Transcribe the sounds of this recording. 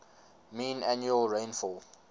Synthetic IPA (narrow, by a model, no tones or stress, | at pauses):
mĩːnanjuəlɹẽnfɔl